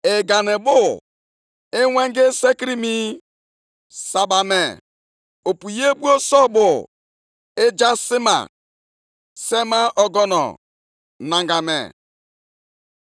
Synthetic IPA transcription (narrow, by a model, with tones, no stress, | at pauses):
e˨ɡa˨ne˨bʊ˦ | ɪ˦wʷe˦ŋɡe˦se˦ki˦ɾi˦mi˦ | sa˨ba˨me˨ | o˨pu˨je˦bu˦o˦sɔ˦bʊ˨ | e˦d͡ʒa˦sɪ˦ma̰˨ | se˦ma˦ʔɔ˨ɡɔ˦nɔ̰˨ | na˨ŋɡa˨mḛ˨